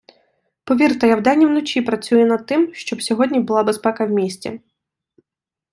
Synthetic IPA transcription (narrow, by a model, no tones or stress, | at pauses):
pɔʋʲirt̪ɐjawd̪anʲːiwnɔt͡ʃʲipɾɐt͡sʲujɛnɐd̪̚t̪ːɪmʃt͡ʃɔbsʲɔɦɔdʲnʲibʊlˠabespɛkɐwmʲisʲt͡sʲḭ